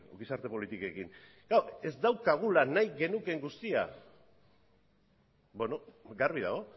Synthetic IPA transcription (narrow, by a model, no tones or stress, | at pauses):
ɡisaɾt̪e̞po̞lit̪ikoe̞kiŋ | ɡ̥awe̞zd̪awkaɣ̞ulanajɣe̞nuke̞ŋɡust̪ia̰ | benoɡaɾβiða̰ɣ̞o